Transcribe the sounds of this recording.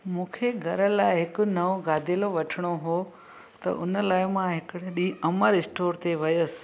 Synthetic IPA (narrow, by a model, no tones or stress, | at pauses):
mũːkʰeɡʱɐɾəlaːɪɦɪkʊ̆nɐʋõɡaːd̪ʱeloʋɐʈʰɪɽ̃oɦo | t̪ɐ̰ʔʊnəlaːɪmãɦɪkɪɽɗiːɐməɾɪsʈoːɾt̪eʋɐjʊsɪ̥̆